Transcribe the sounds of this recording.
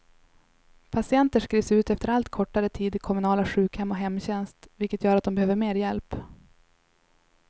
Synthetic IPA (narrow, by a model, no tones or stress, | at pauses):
pʰasɪɛnt̪əʂkɾiːvsʉ̟ːt̪ɛft̪əɾalt̪kʰɔʈːaɾət̪ʰiːd̪ɪkʰɔmɵnɑːlaɧʉ̟ːkhɛmːɔɦɛmːɕɛnst̪vɪlkət̪jœːɾat̪̚d̪ɔmbɛhøːvəɾmeːɾjɛlp